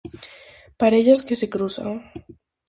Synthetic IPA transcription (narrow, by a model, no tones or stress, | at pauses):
paɾeʎaskesekɾusa̰ŋ